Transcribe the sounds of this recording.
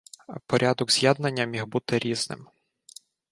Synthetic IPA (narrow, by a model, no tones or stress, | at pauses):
pɔɾʲʔad̪ɔɡzʲjad̪nɐnʲːɐmʲixbut̪ɪɾʲiz̥nɪ̰m